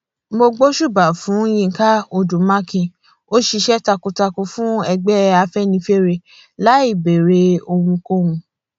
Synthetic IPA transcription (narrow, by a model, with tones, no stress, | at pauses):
mo˧ɡ͡bo˦ʃu˦˨ba˨fũ˨˦j̃ĩ˦˧ŋ̩˨˦ka˦o˧du˨mã˦kĩ˧ | o˦ʃi˧ʃɛ˦ta˧ko˧ta˧ko˧fũ˦ɛ˧ɡ͡bɛ˦a˧fɛ˦nĩ˧˦fe˦ɾe˧ | la˨˦i˦˨be˨ɾe˧˦o˧hũ˧ko˦hũ˧